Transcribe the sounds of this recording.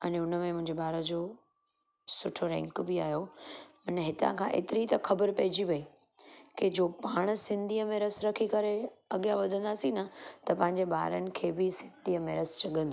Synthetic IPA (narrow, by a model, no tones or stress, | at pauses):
ɐnʊnəmẽmʊ̃ɦɪ̃ɲd͡ʑebaːɾəd͡ʑoː | sʊʈʰoɾɛ̰̃ŋkbɪaːjomɐnɦɪt̪ã̰kʰãʔḛːt̪ɪɾit̪ɐxɐbəɾpɐɦɪd͡ʑiʋɐi | ked͡ʑoːpaːɽ̃sɪ̃nd̪ʱiəmẽɾɐsɾɐkʰikɐɾeɐɠijaʋɐd̪ʱə̃nd̪aːsinɐt̪ɐpɐ̃ɦɪ̃ɲd͡ʑeba̰ːɾənɪ̆kʰeːbɪsɪ̃nd̪ʱiəmẽɾɐst͡ɕɐɠə̃nd̪oː